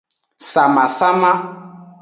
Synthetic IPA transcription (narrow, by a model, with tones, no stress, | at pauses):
sa˨ma˨sa˦ma˦